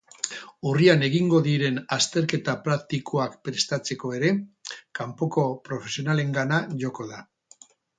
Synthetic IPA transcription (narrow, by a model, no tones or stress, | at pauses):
uriane̞ɣiŋɡo̞ðiɾe̞nast̪e̞ɾke̞t̪apɾakt̪ikʰo̞akpɾe̞st̪at͡se̞ko̞e̞ɾe̞kampo̞ko̞pɾo̞fe̞sio̞nale̞ŋɡanaʝo̞ko̞ða